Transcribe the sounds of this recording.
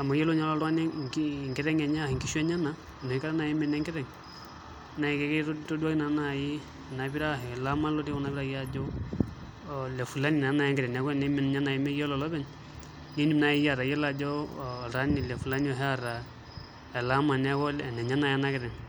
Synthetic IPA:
a˨ma˨jɛ˦lo˦ɲa˦lɔ˦ɾa˦nɛ˦i˦˨ŋɡɪ˦ɾɛ˦ŋɛ˨ɲa˦˨ŋɡi˦ʃwɛ˦ɲa˦na˨ | no˨i˦ka˦ɾa˦na˨ji˦mɛ˨nɛ˦ŋɡɪ˦ɾɛ˨ŋ˦ | na˨i˨kɛ˨kɛ˦to˦du˦a˦ki˦na˨˦na˨ji˦˨ | na˨bi˦ɾa˦ɦɛ˨la˦ma˦lo˦de˦kɔ˨na˨pi˦ɾa˨ja˦d͡ʒɔ˦ | lɛ˨fu˨la˦ni˨na˨˦na˨jɛ˦ŋɡɪ˦ɾɛ˨na˨˦kɔ˦˨nɛ˦mɛ˨nɲa˦na˨ji˨˦mɛ˦jɛ˦lɔ˨lɔ˦bɛ˦˨ɲ | ni˦ni˨m˨na˨˦ji˦ja˨ɾa˨jɛ˦la˨d͡ʒɔ˦˨ɾa˦ni˨lɛ˨fu˨la˦ni˦ɔ˨ɦɛ˦a˨ɾa˨ | ɛ˨la˦ma˨nɛ˦kɔ˦lɛ˨nɛ˨ɲa˦na˨ja˦na˦kɪ˦ɾɛ˨ŋ

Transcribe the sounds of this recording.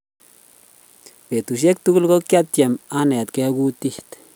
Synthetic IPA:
pe˨t̪u˨ʃ̬e˦k̚t̪u˦ɡu˦lɡo˦kja˦t̪jɛ˨ma˦nɛ˨t̪kɛ˦ɡu˦t̪i˦ht̪

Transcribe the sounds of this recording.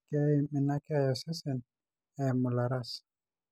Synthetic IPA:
kɛ˦imi˨na˦kajɔsɛ˦sɛ˨n | ɛ˨mu˨laɾas

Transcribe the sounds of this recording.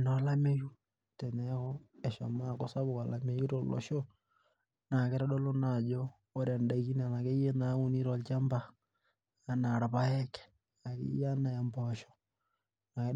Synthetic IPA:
nɔ˨˦la˦me˦ju˦ | tɛ˨nɛ˦ɣɔ˦ɛ˨ʃɔ˨ma˦ko˦sa˦βʊ˨ka˨la˨me˦ju˦ɾo˦lɔ̰˨ʃo˦ | na˨ke˦ɾa˦ɗɔ˦lo˦na˨d͡ʒoː˦ | ɾa˨nda˨i˦ki˦n˦a˨na˨ke˦je˦na˨˦u˦ni˦ɾɔ˨lt͡ʃa˦mbaː˦˨ | na˨ɾa˨pa˦ɛ˦kɛ̥˨ | a˨kḛ˦ja˦na˨ja˨mbɔʃɔ̥˦ | na˨ke˦

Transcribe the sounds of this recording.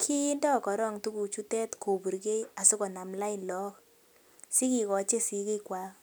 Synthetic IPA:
kʰiː˦ndɔ˦˨kɔ˨ɾɔ˦˨ŋtu˦ku˨t͡ʃu˦tɛ˦tkʰo˨bu˨ɾɡe˦ja˨sʊ˦kɔ˨na˨mla˦ɪ˨nlɔ˦k | si˦ki˨kɔ˨t͡ʃe˦si˨˦ke˦kwa˨˦

